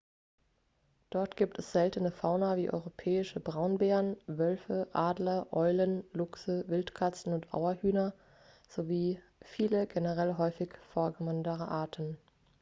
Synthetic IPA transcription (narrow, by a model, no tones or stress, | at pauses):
d̥ɔɐtɡ̥iːp̚tʰɛsz̥ɛltənəfaʊnɐviːʔɔ̰ʏʁopʰɛːɪʃəbʁaʊnbɛːʁənvœlfəʔaːdlɐʔɔʏlənlʊksəvɪltkʰat͡sn̩ʊntʔa̰ʊɐhyːnɐ | z̥oviː | fiːləɡenəʁɛlɦɔʏfɪçfoːɐɡəvɔndəʁəʔaːɐtʰn̩